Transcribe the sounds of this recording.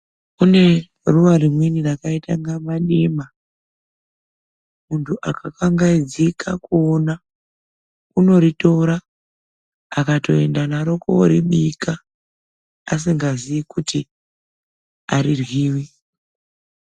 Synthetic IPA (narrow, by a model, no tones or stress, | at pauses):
une̞ | ruʋaɾimwinirakaitaŋɡamaɗima | muntʰuʔakakaŋɡaid͡zikakuːna | uno̞ɾitoɾa | kato̞e̞ndanaɾo̞koɾiɓika | as̬iŋɡaziikuti | aɾirwiːwi